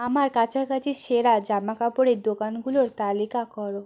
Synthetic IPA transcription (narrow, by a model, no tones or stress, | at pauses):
amaɾkat͡ɕʰakat͡ɕʰiʃeɾad͡ʑamakapoɽed̪okanɡuloɾt̪alikakɔɾo